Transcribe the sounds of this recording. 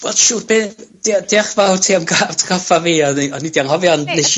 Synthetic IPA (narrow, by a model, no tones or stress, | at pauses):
vɔd̥ʃuːrbɪnd̥d̥eaχvawrtʰeːamɡaːvtʰkʰɔfaviːɔnɔnːidiaŋhɔvjɔnneʃ